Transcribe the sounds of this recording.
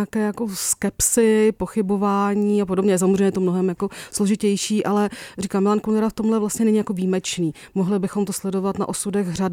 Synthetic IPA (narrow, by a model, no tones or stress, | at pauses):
akɛːjako̞skɛpsɪpo̞xɪbo̞vaːɲiːap̬odobɲɛjɛs̬amozr̝ɛjɲɛt̪̬omno̞ɦɛmjako̞sloʒɪcɛjʃiːʔalɛriːkaːmɪlankonɛɾaft̪o̞mlɛvlast̪ɲɛnɛɲijako̞viːmɛt͡ʃniː | moɦlɪbɪxo̞mt̪oslɛdo̞vat̪na̰ʔosudɛɣr̝ad